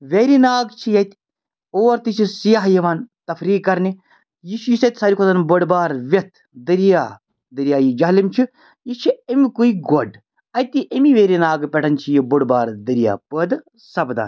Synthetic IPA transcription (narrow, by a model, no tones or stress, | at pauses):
ʋeɾinaːɡt͡ʃʰijɐt̪ | oːɾt̪it͡ʃʰisijaɦjɐʋaːnt̪ɐfɾiːkːɐɾni | jiʃujisɐt̪ʲsaːɾikʰozɐnboɽbaːɾʋʲjɐt̪ʰ | d̪ɐɾijaː | d̪ɐɾijaːjid͡ʒaːlimt͡ʃʰi | jit͡ʃʰiemikuiɡoɖ | ɐjt̪iʔemiʋeːɾinaːɡpʲeʈʰɐnt͡ʃʰijiboɽbaːɾd̪ɐɾija̰ːpəd̪ | sɐbd̪a̰ːn